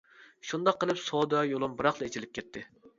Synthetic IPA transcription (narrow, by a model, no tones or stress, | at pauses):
ʃund̪ɑqʰːəlˠɨpsod̪ɑjolˠɨmbɨɾɑχlˠɨet͡ʃʰilɪp̚kʲʰɛt̪ʰːɪ